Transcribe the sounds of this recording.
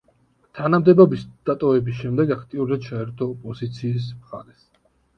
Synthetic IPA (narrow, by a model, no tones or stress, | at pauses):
t̪ʰanamd̪ɛbɔbisd̪̥at̪ʼɔvɛbisʃɛmd̪ɛɡakʰt̪ʼiuɾzad̪t͡ʃʰaɛɾt̪ʰɔpʼɔzit̪sʰiːs̬mχa̰ɾɛs